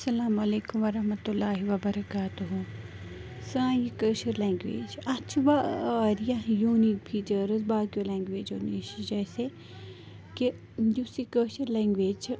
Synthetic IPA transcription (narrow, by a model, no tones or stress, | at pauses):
ɐsɐlaːmɐleːkumʋɐɾɐɦmɐt̪ulːaːɦiʋɐbɐɾɐkaːt̪uɦũ | sãːjikəːʃɐɾlɛ̃ːŋɡʋḛːd͡ʒɐt͡ʃʰʋaɾijajuːnik̚pʰiːt͡ʃəɾɐzbaːkjolɛ̃ːŋɡʋeːd͡ʒoːneːʃd͡ʒɛːse | ki | jusikəːʃɐɾlɛ̃ːŋɡʋeːd͡ʒ